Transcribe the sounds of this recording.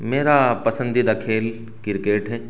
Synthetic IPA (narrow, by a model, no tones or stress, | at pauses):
meːɾapɐsə̃nd̪ʱid̪ɐkʰeːl | kɪɾkeːʈɦɛː